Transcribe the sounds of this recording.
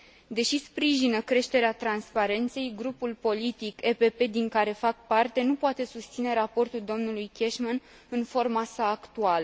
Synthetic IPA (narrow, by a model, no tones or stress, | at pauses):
d̪e̞ʃispɾiʒinəkɾe̞ʃt̪e̞ɾeat̪ɾanspaɾe̞nt̪se̞jɡɾupulpo̞lit̪ike̞pe̞pe̞d̪iŋkaɾe̞fak̚part̪e̞nupoat̪e̞sust̪sine̞ɾapo̞rt̪uld̪o̞mnulujkʲe̞ʃman | ɨnfo̞rmasaːkt̪ualə